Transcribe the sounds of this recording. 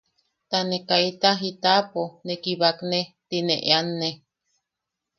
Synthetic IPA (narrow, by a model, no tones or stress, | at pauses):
t̪anekait̪aɦit̪aponekiβaknet̪inḛʔḛanːe